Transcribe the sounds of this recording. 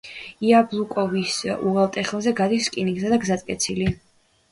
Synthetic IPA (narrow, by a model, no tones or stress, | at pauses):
iablˠukʼɔvisuʁɛlˠt̪ʼɛχlˠzɛɡad̪iskʼinikʼzad̪aɡzat̪ʼkʼɛt̪sʰili